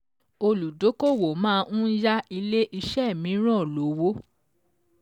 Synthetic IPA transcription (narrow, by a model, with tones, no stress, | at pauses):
o˧lu˨do˨˦ko˦˨wo˨mãː˦˧˦ũ˦d͡ʒa˦i˧le˦ʔi˧ʃɛ˦˨mĩ˨˦ɾ̃ɔ̃˦˨lo˨˦wo˦